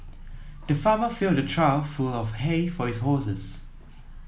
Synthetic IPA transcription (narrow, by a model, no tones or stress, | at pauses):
d̥əfaːməfildətʰɹaɪlfulɔfhefɔhisɦɔsɪs